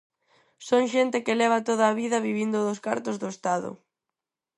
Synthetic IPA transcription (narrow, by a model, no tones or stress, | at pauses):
soŋʃent̪ɪkɪlɛβ̞ɐt̪oð̞aːβiðɐβiβind̪ʊðʊska̰ɾt̪ʊzðʊest̪aðʊ̰